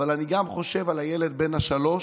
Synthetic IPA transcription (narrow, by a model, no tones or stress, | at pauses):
valaniɡamχo̞ʃe̞valajele̞d̪̚be̞nhaʃalo̞ʃ